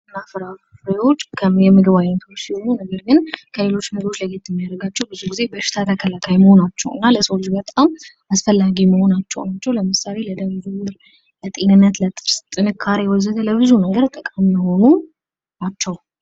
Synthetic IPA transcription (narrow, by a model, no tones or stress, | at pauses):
ɨnːafɨɾafɾeo̞t͡ʃːkʰəjɛmɨɡɨβajnət̪ʰot͡ʃːsiho̞nunəɡəɾɡɨnkʰəle̞lo̞t͡ʃːmɨɡo̞t͡ʃːləɡe̞t̪jɛmːijad̪əɡat͡ʃːɛwbɨzuɡize̞bəʃɪ̥t̪ʰak̪ʰakʰəlakʰajməho̞nat͡ʃːɛ̰wɨ̰nːaləsold͡ʒbət̪ʼam | asfəlːaɡiməho̞nat͡ʃːɛ̰wnat͡ʃːɛwləmɨsale̞ləd̪əmd͡ʒumɨɾ | lət̪ʼe̞nɨnːət̪lət̪ʼɨɾst̪ʼɨnɨkʰːaɾewɔzəd̪ələβɨzunəɡəɾt̪ʼəkʼamːəho̞nu | at͡ʃːɛw